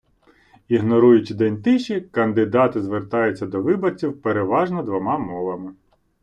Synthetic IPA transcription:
iɦnɔɾujʊt͡ʃʲid̪ɛnʲt̪ɪʃʲikɐnd̪ɪd̪ɑt̪ɪzʋert̪ɑjʊt͡sʲːɐd̪ɔʋɪbɐt͡sʲiwpeɾeʋɑʒnɔd̪ʋɔmɑmɔʋɐmɪ

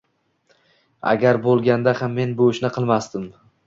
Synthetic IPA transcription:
a̰ɡʲaɾbolˠɡʲand̪ahamːe̞nboʃnɪqʰɨlˠmast̪ɪm

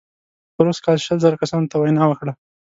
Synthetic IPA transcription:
pəɾoskɑlʃəlzɑɾakasɑnot̪awajnɑwəkɽa

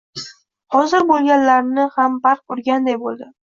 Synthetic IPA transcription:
hɒzɪɾbolˠɡʲanlaɾnɪhambaɾq̚ʊɾɡʲand̪ajbolˠd̪ɪ

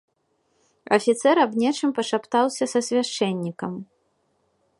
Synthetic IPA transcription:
ɐ̰fʲit̪sɛɾɐbnʲɛt͡ʂɨmpɐʂapt̪awsʲɐsɐsʲvʲaʂt͡ʂɛnʲːikɐm

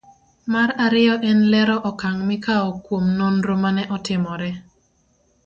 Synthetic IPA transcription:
maɾaɾɪɔʔɛnlɛɾɔʔɔkaŋmɪkaɔkwomnonɾomanɛʔɔtɪmɔɾɛ

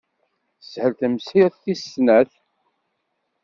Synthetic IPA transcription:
shəlθəmshiʁθθisnæθ

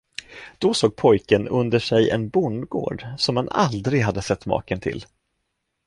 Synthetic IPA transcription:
d̪̥ɔsoːɡ̚pʰɔjkənɵnd̪əʂɛjɛ̰nbʊɳd̪ɡo̰ːɖsɔmhana̰ld̪ɾɪɡɦad̪ːəsɛt̪ːmɑ̰ːkənt̪ʰɪ̰l

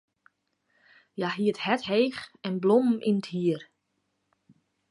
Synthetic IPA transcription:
jaɦiəthɛtɦeːxɛnblomm̩ʔinəthiər

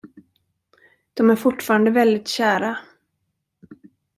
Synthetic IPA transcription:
d̪̥ɔmæɾfʊʈːfɑːɾand̪əvɛld̪ɪt̪ɕæːɾa

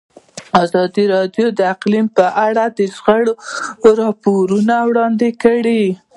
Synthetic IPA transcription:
azɑd̪iɾɑd̪jod̪əaqlimpəʔaɽad̪əʃɣəɽɾɑpoɾunawɽɑnd̪ɪkəɽi

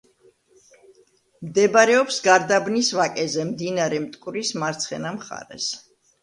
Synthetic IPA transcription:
md̪ɛbaɾɛɔpsɡaɾd̪abnisvakʼɛzɛmd̪inaɾɛmt̪ʼkʼɾismaɾt̪sʰχɛnamχa̰ɾɛ̰s

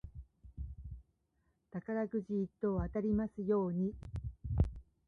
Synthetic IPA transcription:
t̪akaɾaɡɯ̟ʑiːt̪ːo̞ːat̪aɾʲimasɨjo̞ːɲ̟i

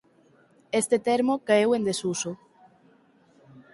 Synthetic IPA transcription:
est̪et̪eɾmokaewend̪esuso

